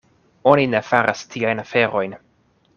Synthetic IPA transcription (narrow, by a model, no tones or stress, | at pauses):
o̞nine̞faɾʔa̰stʰiajnafe̞ɾo̞jn